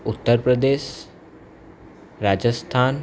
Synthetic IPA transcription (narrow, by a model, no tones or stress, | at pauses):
ut̪ːəɾpɾəd̪eːʃ | ɾaːd͡ʑəst̪ʰaːn